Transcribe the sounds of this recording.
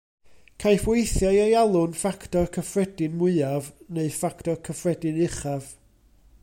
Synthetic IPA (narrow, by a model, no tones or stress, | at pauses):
kʰajfwejθjajajalˠʊnfakʰtɔrkʰəfrɛdɨnmʊɨavneɨfakʰtɔrkʰəfrɛdɨnɪχav̥